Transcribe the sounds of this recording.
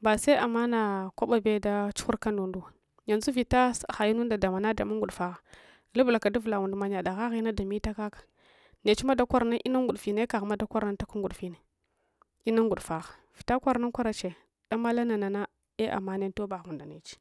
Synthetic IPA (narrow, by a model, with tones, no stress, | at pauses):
ba˨sa˦a˨mːa˦na˨kʷa˦ɓa˨be˦da˦t͡ʃu̥˦xu˦ɾka˦ndu˨ndu˦˨ | ja˨nzu˦vi˨ta˦sxa˨ji˦nu˦nda˨da˨ma˨na˦da˨ma˦ŋɡu˨ɗfa˨ɣa˨ | lu˦bla˨ka˨du˦vla˨wu˨ndma˨ɲa˨da˨ɣa˦ɣi˦na˦da˨mi˦ta˦ka˦kḁ˨ | ne˨t͡ʃi˦ma˦da˦kʷa˦ɾna˦ʔi˦na˦ŋɡu˨dfi˨ne˦ka˨ɣma˦da˦kʷa˦ɾa˦n˦ta˦ka˦ŋɡu˨ɗfi˦ne˨ | i˦na˦ŋɡu˨ɗfa˨ɣḁ˨v̥i˨ta˦kʷa˦ɾna˦nkʷa˦ɾa˨t͡ʃe˨ | d̥a˦ma˦la˦na˨na˨na˦ | e˦ʔa̰˨mːa˦ne˦to˦ba˨ɣu˨da˨ne˨t͡ʃi̥˦